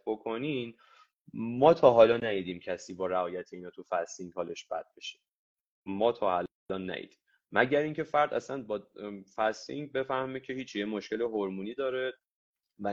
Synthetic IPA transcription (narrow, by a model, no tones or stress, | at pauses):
bokʰo̞nin | mɒːt̪ʰɒːɦɒːlɒːnæjiːd̪iːmcʰæsiːbɒːɾæɒːjæt̪ʰeiːnɒːt̪ʰufæsiŋɡhɒːleʃb̥æ̰d̪̥̚beʃe̥ | mɒːt̪ʰɒːhæl | lɒnːæ̰ʔḭːd̪̥im | mæɟæɾiŋcʰe̞fæɾd̪æ̰sænbɒːfæsḭŋɟbe̞fæhmecʰe̞hiːt͡ʃʰijemoʃke̞leɦoɾmuːniːd̪ɒːɾe | væ